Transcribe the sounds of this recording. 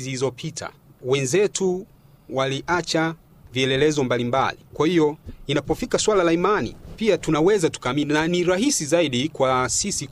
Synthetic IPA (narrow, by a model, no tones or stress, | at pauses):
ziizɔpʰitʰa̰wɛnzɛtu | waliʔat͡ʃa | viɛlɛlɛzɔmbalimba̰likwahiɔinapɔfikaswalalaimanḭpiatunawɛzatu̥kaːminaniɾahisizaiɗikwasisi